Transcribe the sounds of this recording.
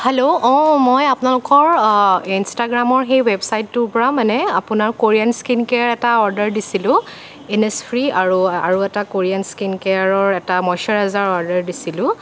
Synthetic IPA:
heloɔ̃mojapʊnalʊkɔɹinstaɡɹamɔɹxejwebsajtːʊɹpɔɹamanɛapʊnaɹkoɹianskinkeaɹɛtaɔɹdɛɹdisilʊ̃ | enespʰɹiaɹua̰ɹuɛtakoɹianskinkɛaɹɔɹɛtamɔjsɔɹɦɛzaɹɔɹdɛɹdisilʊ̃

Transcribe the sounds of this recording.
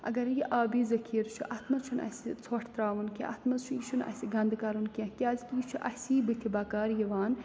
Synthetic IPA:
ɐ̰ɡɐɾjiʔaːbiːzɐkʰiːɾt͡ʃʰuʔɐt̪ʰmɐzt͡ʃʰunɐ̰sit͡sʰoʈʰt̪ɾaːʋunkʲḛ̃ʔɐ̰t̪ʰmɐzt͡ʃʰujiʃʰunɐ̰siɡɐnd̪kɐɾunkʲẽkʲaːzkijit͡ʃʰuʔɐsiːbit̪ʰibɐkaːɾjiʋaːn

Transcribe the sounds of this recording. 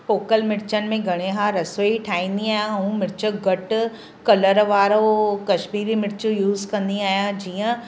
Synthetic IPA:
poːkəlmɪɾt͡ɕənɪ̆mẽɡʱɐɽ̃eɦaɾɐsoiʈʰaːĩːnd̪iaːjãɐũmɪɾt͡ɕəɡɐʈ | kɐləɾʋaːɾokɐʃmiːɾimɪɾt͡ɕujuːzkɐ̃nd̪iaːjãd͡ʑiːə̃

